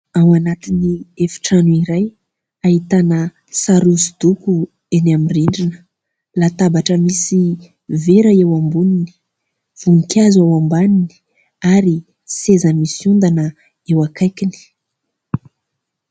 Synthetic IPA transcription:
awanat̪iniefi̥ʈ͡ʂanuiɾaj | aɦit̪anə | saɾusid̪uku | enamiriɳɖ͡ʐinə̥ | lat̪abaʈ͡ʂəmisi | veɾaewambunini̥ | v̥unikʲjazawambanini̥ | aɾi | sezəmisund̪anə | ewakajkini̥

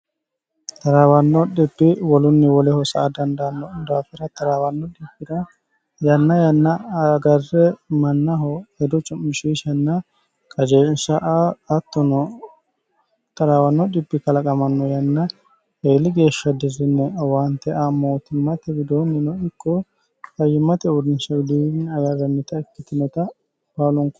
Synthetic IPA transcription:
t̪ɐɾaːwɐnːɔɗɪbːɪwɔlʊnːɪwɔlɛhɔsɐʔːd̪ɐnd̪ɐnːɔd̪aːfɪɾɐt̪ɐɾawɐnːɔɗɪbːɪdɐ | jɐnːɐjɐnːɐɐɡɐrːɛmɐnːɐɦɔɛd̪ɔt͡ʃʼɔmːɪʃiːʃɐnːɐ | kʼɐd͡ʒeːnsɐʔaːt̪ːɔnɔ | t̪ɐɾaːwɐnːɔɗɪbːɪkɐlɐkʼɐmɐnːɔjɐnːɐ | eːlːɪɡe̞ːʃːɐd̪ɪrɪnːɛwɐnt̪ːɛʔamoːt̪ɪmːɐt̪ɛbɪd̪oːnːɪnɔɪkʰʼːɔ | kɐjɪmːɐt̪ɛʊd̪ɪnsɐɡɪd̪inɛɐjɐɾɐnːɪt̪ɐɛkːɪt̪ɪnɛt̪ɐ | baːlɔŋkɔ

